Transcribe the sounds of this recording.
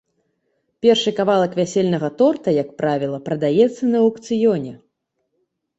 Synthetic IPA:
pʲɛrʂɨkavalˠɐkvʲasʲelʲnɐɣɐt̪ɔrt̪ɐjak̚pɾavʲilˠɐpɾɐd̪ajɛt̪sːɐnɐukt̪sɨjɔnʲɛ

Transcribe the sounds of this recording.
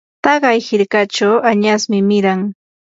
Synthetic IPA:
t̪ɑɢɑjhɪɾkat͡ʃawaɲasmɪmɪɾaŋ

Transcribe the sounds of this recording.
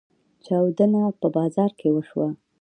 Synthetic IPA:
t͡ʃɑwd̪ənapəbɑzɑɾkewəʃwa

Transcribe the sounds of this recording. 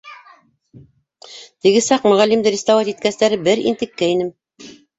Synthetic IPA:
t̪ɘ̆ɡɘsɑqmɵ̆ʁælːimd̪ɘɾʲɪst̪avɑt̪it̪̚kæst̪æɾɘbɘɾḭnt̪ɘ̆kːæinɘm

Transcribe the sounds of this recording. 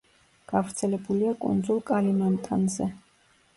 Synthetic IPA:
ɡ̥avɾt̪sʰɛlɛbuliakʼṵnd̪zulˠkʼalimant̪ʼanzɛ

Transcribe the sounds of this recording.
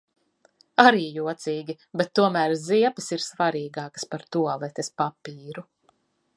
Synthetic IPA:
aɾiːjuɔt̪siːɡʲi | bɛt̪ːuɔmæːɾziɛpɨsiɾsvaɾiːɡɑːkɐ̥spaɾt̪uɔlˠɛt̪espapiːɾu

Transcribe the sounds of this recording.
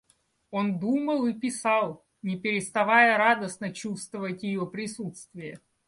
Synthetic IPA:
o̞nd̪uməlˠɨpʲɪsɑlˠ | nʲɪpʲɪɾʲɪst̪ɐvajəɾad̪əsnət͡ɕust̪vəvətʲjɪjopɾʲɪsut̪st̪vʲɪjə

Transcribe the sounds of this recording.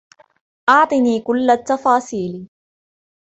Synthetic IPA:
ʔɑʕt̪ˤɨniːkʊlːat̪ːɑfɑːsiːl

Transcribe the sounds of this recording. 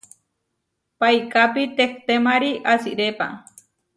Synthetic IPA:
pajkapit̪ekt̪emaɾiʔasiɾepa̰

